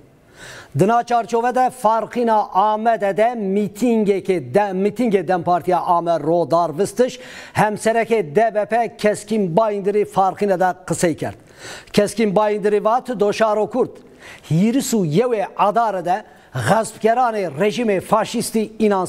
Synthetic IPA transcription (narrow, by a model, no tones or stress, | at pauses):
d̪ɨnɑːt͡ʃʰɑːɾt͡ʃʰoːvɛd̪ɛfɑɾqinɑːʔɑːmɛd̪ɛd̪ɛmit̪ʰiŋɡɛkemit̪ʰiŋɡed̪ɛmpʰɑːɾt̪ʰijɑːʔɑːmɛroːd̪ɑːɾvɨst̪ɨʃ | hɛmsɛɾɛked̪ɛbɛpʰɛkʰɛskimbɑːjind̪ɨɾifɑːɾqinɛd̪ɛqəsɛjkʰɛ̰ɾd̪̚ | kʰɛskimbɑːjind̪ɨɾivɑːt̪ʰɨd̪oʃɑːɾokʰuɾt̪ | hiɾisujɛweʔɑd̪ɑːɾɛd̪ɛ | ɣɛzb̚kʲɛɾɑːnerɛʒimefɑːʃist̪iinɑːn